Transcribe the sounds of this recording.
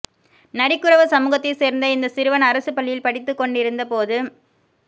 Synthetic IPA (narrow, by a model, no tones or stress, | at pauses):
nɐɾɪkːɯɾɐʋɐsɐmuːɣɐt̪ːɐɪseːɾnd̪ɐɪnd̪ɐsɪɾɯʋɐnɐɾɐsɯpɐɭːɪjɪlpɐɽɪt̪ːɯkːɔɳɖɪɾɯnd̪ɐpoːðɯ